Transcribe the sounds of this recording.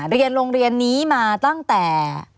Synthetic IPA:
ɾi˧ənɾoː˧ŋɾi˧ənːiː˦˥maː˧t̪a˥˩ŋt̪ɛː˨˩

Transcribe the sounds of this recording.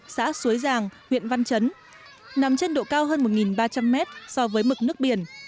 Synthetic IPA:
sa̰ː˧˥su˨˦əjzaː˨˩ŋhwḭ˧˨ənva˧nt͡ɕə˨˦n | na˨˦mt͡ɕe˧nɗo̰˧˨kaː˧wɦəː˧nmo˨˩t̚ŋi˨˩nɓaː˧t͡ɕa˧mːɛ˦˥t̚sɔ˧vəː˨˦jmɨ˨˩k̚nɨ˦˥ək̚ɓi˨˩ən

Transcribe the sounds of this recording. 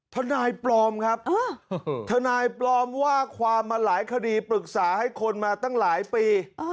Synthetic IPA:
t̪ʰa˧naː˧jplɔː˧mkʰa˦˥p̚ːt̪ʰa˧naː˧jplɔː˧mwaː˥˩kʰwaː˧mːaː˧laː˩˦jkʰa˧diː˧pɾɯ˨˩k̚saː˩˦ha˥˩jkʰo˧nmaː˧t̪a˥˩ŋlaː˩˦jpiː˧

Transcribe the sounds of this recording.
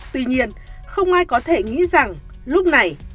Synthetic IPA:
t̪wi˧ɲi˧ən | xə˧wŋ͡mʔaː˧jkɔ˨˦t̪ʰe˧˩ŋḭ˧˥za˨˩ŋ | lʊ˦˥k͡p̚na˨˩j

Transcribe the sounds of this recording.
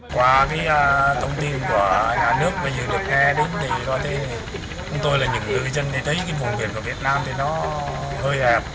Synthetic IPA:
kwaː˧˩kaː˨˦jəː˧t̪ʰə˧wŋ͡mt̪i˧nku˧˩əɲaː˨˩nɨ˦˥ək̚vaː˨˩zɨ˨˩lɨ˨˩ək̚ŋɛ˧ɗe˨˦nt̪ʰi˧˩zɔ˧˩jt̪ʰe˨˦ | t͡ɕʊ˨˦ŋ͡mt̪o˧jlaː˨˩ɲɨ̰˧˥ŋt̪ɨ˧˨t͡ɕə˧nɗi˧˩t̪ʰə˨˦jkaː˨˦jɓu˨˩nkwḭ˧˩ənku˧˩əvi˨˩ət̚naː˧mt̪ʰi˨˩nɔ˨˦həː˧jʔɛ˨˩p̚

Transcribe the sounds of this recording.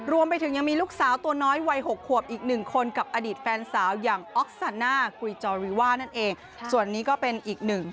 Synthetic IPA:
ɾu˧əmpa˧jt̪ʰɯ˩˦ŋja˧ŋmiː˧luː˥˩k̚saː˩˦wt̪u˧ɐnɔː˦˥jwa˧jɦo˨˩k̚ʰːu˨˩əp̚ʔiː˨˩k̚nɯ˨˩ŋkʰo˧nka˨˩p̚ʔaː˧diː˨˩t̪̚fɛː˧nsaː˩˦wjaː˨˩ŋʔɔː˦˥k̚saː˧nːaː˥˩kɾiː˧˩t͡ɕɔː˧ɾiː˧waː˥˩na˥˩nʔeː˧ŋ | su˨˩ənːiː˦˥kɔː˥˩pe˧nʔiː˨˩k̚nɯ˨˩ŋ

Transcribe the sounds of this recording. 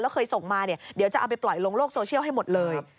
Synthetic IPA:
lɛː˦˥wkʰɤː˧jso˨˩˦ŋmaː˧ni˥˩ɐdi˨˦wt͡ɕa˨˩ʔa˧wpa˧jplɔ˨˩jlo˧ŋloː˥˩k̚soː˧t͡ɕʰi˥˩wɦa˥˩jmo˨˩t̪̚lɤː˧j

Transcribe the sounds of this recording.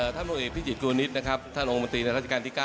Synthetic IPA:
əː˨˩t̪ʰa˥˩pʰoː˧ŋʔeː˨˩t̪ʰiː˥˩t͡ɕi˨˩t̪̚kʰuː˧ni˦˥t̪̚na˦˥kʰa˦˥p̚t̪ʰa˥˩nʔo˧ŋo˧nt̪iː˧na˧ɾa˦˥t͡ɕa˨˩aː˧nt̪i˥˩kaː˥˩

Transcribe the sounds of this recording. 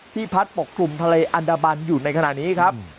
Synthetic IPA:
t̪ʰiː˥˩pʰa˦˥t̪̚po˨˩kʰɾu˧mt̪ʰa˧leː˧ʔa˧ndaː˧ba˧njuː˨˩na˧jkʰa˧na˨˩ʔniː˦˥kʰa˦˥p̚

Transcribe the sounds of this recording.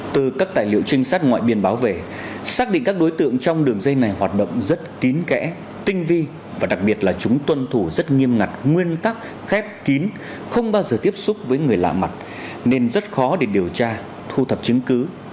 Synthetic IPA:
t̪ɨ˨˩kaː˦˥k̚t̪a̰ː˧˨jlḭ˧˨əwt͡ɕï˧ŋ̟saː˦˥t̚ŋwa̰ː˧˨jɓi˧ənɓaː˨˦wve˨˩ | saː˦˥k̚ɗḭ̈˧˨ŋ̟kaː˦˥k̚ɗo˨˦jt̪ɨ̰˧˨əŋt͡ɕɔ˧wŋ͡mɗɨ˨˩əŋzə˧jna˨˩jɦwaː˨˩t̚ɗə̰˧˨wŋ͡mzə˦˥t̚ki˨˦nkɛ̰˧˥ | t̪ï˧ŋ̟vi˧ | vaː˨˩ɗa˨˩k̚ɓi˨˩ət̚laː˨˩t͡ɕʊ˨˦ŋ͡mt̪wə˧nt̪ʰu˧˩zə˦˥t̚ŋi˧əmŋa˨˩t̚ŋwi˧ənt̪a˦˥k̚ | xɛ˦˥p̚ki˨˦n | xə˧wŋ͡mɓaː˧wzəː˨˩t̪i˦˥əp̚sʊ˦˥k͡p̚vəː˨˦jŋɨ˨˩əjla̰ː˧˨ma˨˩t̚ | ne˧nzə˦˥t̚xɔ˨˦ɗe˧˩ɗi˨˩əwt͡ɕaː˧ | t̪ʰu˧t̪ʰə˨˩p̚t͡ɕɨ˨˦əŋkɨ˨˦

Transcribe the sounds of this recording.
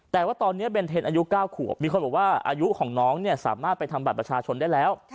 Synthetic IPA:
t̪ɛː˨˩waː˥˩t̪ɔː˧nːi˦˥ɐp̬e˧nt̪ʰeː˧nʔaː˧ju˦˥kaː˥˩wkʰu˨˩əp̚miː˧kʰo˧nbɔː˨˩waː˥˩ʔa̰ː˧ju˦˥kʰɔː˩˦ŋnɔː˦˥ŋni˥˩ɐsa̰ː˩˦maː˥˩t̪̚pa˧jt̪ʰa˧mba˨˩t̪pɾa˧t͡ɕʰaː˧t͡ɕʰo˧ndaː˥˩jlɛː˦˥w

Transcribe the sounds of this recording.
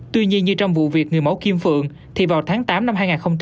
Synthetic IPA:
t̪wi˧ɲi˧ənɲɨ˧t͡ɕɔ˧wŋ͡mvṵ˧˨vi˨˩ək̚ŋɨ˨˩əjmə˨˧˦wki˧əmfɨ̰˧˨əŋ | t̪ʰi˨˩vaː˨˩wt̪ʰaː˨˦ŋt̪aː˨˦mna˧mɦaː˧jŋaː˨˩nxə˧wŋ͡mt͡ɕ

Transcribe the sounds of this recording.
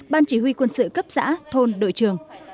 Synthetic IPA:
ɓaː˧nt͡ɕi˧˩hwi˧kwə˧nsɨ̰˧˨kə˦˥p̚z̥a̰ː˧˥t̪ʰo˧nɗo̰˧˨jt͡ɕɨ˨˩əŋ

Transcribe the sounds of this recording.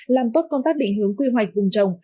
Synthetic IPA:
laː˨˩mt̪o˦˥t̚kə˧ŋ͡mt̪aː˦˥k̚ɗḭ˧˨ŋ̟ɦɨ˨˦əŋkwi˧ɦwa˨˩jk̚vɨ˨˩ŋ͡mt͡ɕə˨˩wŋ͡m

